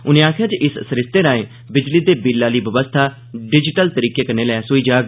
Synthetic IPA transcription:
ʊnẽːaːkʰjaːd͡ʒʔɪssɾɪst̪eːɾãːẽː | bɪd͡ʒliːd̪eːbilːaːliːʋəʋəst̪ʰaː | ɖɪd͡ʒɪʈəlt̪əɾiːkeːkəneːlɛːsoːiːd͡ʒaːɡ

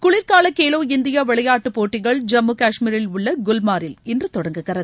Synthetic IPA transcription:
kʊɭɪɾkaːlɐkeːloːɪnd̪ɪjaʋɛɭɐjaːʈːɯpoːʈːɪɣɐɭd͡ʒɐmːukaːʂmiːɾɪlʊɭːɐɡʊlmaːɾɪlɪndrɯt̪ɔɽɐŋɡɯɣɪrɐðɯ

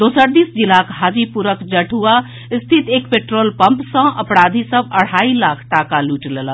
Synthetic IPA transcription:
d̪osəɾd̪isd͡ʒilakɦad͡ʒipuɾəkd͡ʒəʈɦua | st̪ʰit̪ekpeʈɾolpəmpsə̃ʔə̰pɽad̪ʱisəbəɽ̤ailakʰʈakaluʈlelə

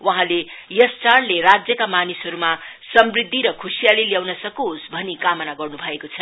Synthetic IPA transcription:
waɦãlejʌst͡saɽleɾad͡zjʌkamanisɦʌɾumasʌmbrid̪ʱːiɾʌkʰusijaliljawnʌsʌkosbʱʌnikamʌnaɡʌrnubʱʌekot͡sʰʌ

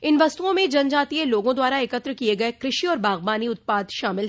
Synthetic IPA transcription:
ɪnʋɐst̪uõmẽd͡ʒɐ̃nd͡ʒaːt̪ieloːɡõd̪waːɾaekət̪ɾəkieɡɐekɾɪʃiɔːɾbaːɣbaːniʊt̪̚paːd̪ʃaːmɪlɦ

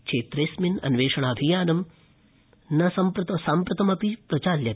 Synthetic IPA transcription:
kt͡ʃʰeːt̪ɾeːsminɐ̰nʋeːʂɐɳ̃aːbʱijaːnɐm | nɐsɐmpɾɐt̪ɐsaːmpɾɐt̪ɐmɐpipɾɐt͡ʃaːljɐ

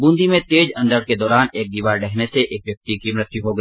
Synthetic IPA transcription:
bũːnd̪ʱimẽt̪eːd͡ʒɐ̃nd̪əɽked̪ɔːɾaːneːk̚d̪iːʋaːɾɖɛɦneseʔeːkʋjɐk̚t̪ikiːmɾɪt̪juɦoɡɐ

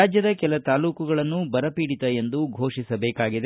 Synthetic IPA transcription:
aːd͡ʒjɐd̪ɐkɛlɐt̪aːluːkuɡɐɭɐnːubɐɾɐpiːɽit̪ɐje̞nd̪uɡʱo̞ːʂisɐbeːkaːɡid̪e

